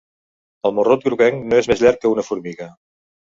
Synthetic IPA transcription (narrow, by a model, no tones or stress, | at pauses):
əlˠmorot̪̚ɡɾuɣɛŋnoezmezʎɛɾkːəunəfuɾmiɣə